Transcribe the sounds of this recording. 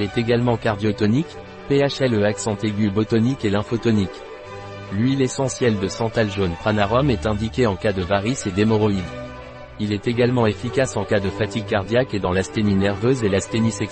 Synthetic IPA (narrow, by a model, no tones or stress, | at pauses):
ɛt̪eɡalmɑ̃kaʁd̪jɔt̪ɔnik | peaʃɛløaksɑ̃t̪eɡʲybɔt̪ɔnikelɛ̃fot̪ɔnik | lɥilesɑ̃sjɛld̪əsɑ̃t̪alʒonpχanaʁɔmɛt̪ɛ̃d̪ikʲeɑ̃kad̪əvaʁised̪emɔʁɔid̪ | ilɛt̪eɡalmɑ̃efikʲasɑ̃kad̪əfat̪iɡ̚kaʁd̪jaked̪ɑ̃last̪eninɛʁvøzelast̪enisɛk